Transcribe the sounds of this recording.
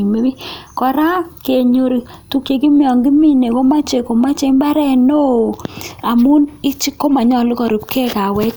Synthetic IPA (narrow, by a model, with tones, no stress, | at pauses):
me˦bi˦kɔ˨ɾa˦ke˨ɲo˨ɾi˨tu˨kje˨ki˦mjɔ˨ŋɡi˦mi˦ne˨ko˦ma˦t͡ʃe˨ko˨ma˦t͡ʃe˨˦mba˦ɾɛ˦no˦˨a˨mu˦nɪ˦t͡ʃi˦kːo˦ma˨ɲɔ˨lʊ˦kɔ˨ɾu˨pke˦˨ka˨wɛ˦k